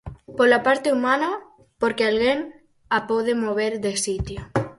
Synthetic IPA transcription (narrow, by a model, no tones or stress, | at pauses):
polapaɾt̪eumana | poɾkealɣeŋ | apoðemoβ̞eɾðesit̪jo